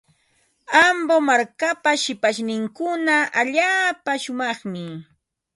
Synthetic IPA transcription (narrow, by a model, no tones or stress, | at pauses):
ambomaɾkapaʃɪpaʃnɪŋkʊnaʔaʎaːpaʃʊmɑχmɪ